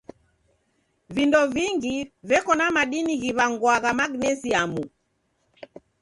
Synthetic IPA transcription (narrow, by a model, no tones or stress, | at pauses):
vindɔviŋɡivɛkɔnamaɗiniɣiβaŋɡwaɣamaɡnɛziamu